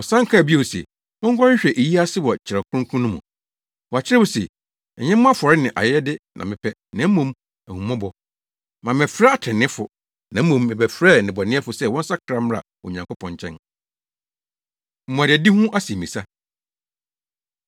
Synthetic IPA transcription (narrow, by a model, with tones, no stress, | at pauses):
ɔ˨sã˦ŋ˦kʰa˦˨bi˦e˨sɛ̰˨ | ɔ̃˦ŋ̩˦kʰʷɔ˦ɕᶣɛ˨ʔe˨ji˦a˦sɪ˦wɔ˨t͡ɕʰɪ˨ɛ˨kʰʊ˦ʊ̃˦kʰũ˦nʊ̃˦mṵ̃˨ | wɔ˨a˨t͡ɕʰɪ˦ɾɛ˦wɔ˨sɛ˨ | ɛ˨ɲɛ̃˦m̃ː˦a˦fɔ˨ɾɪ˦nɪ̃˨ʔa̰˨jɛ˦ɛ˦dɪ˦nã̰˨mɪ̃˨pʰɛ˦nã˨˦m̩˦mõ˦m | æ˨hũ˨mɔ̃˦bɔ˨ | mã˨mɪ̃˨fɾɛ˦a˨tʰɪ̃˨nɪ̃˦fʊ˨ | nã˨˦mũ˨mːɪ˨bæ˨fɾɛ˦˨nɪ̃˨bɔ˨nɪ̃˦ɛ˦fʊ˨sɛ˦˨wɔ̃˦n̩˦sa˦kʰɾa˦m˦a̰˨ | ɔ̰˨ɲã˨ŋkʰo˦pʰɔ̃˨ɲ˨t͡ɕʰɛ̰̃˦n | m̩˨mũ˨a˨dɪ˨ɛ˨di˦hũ˦ʔa˦si˨mĩ˨sa˦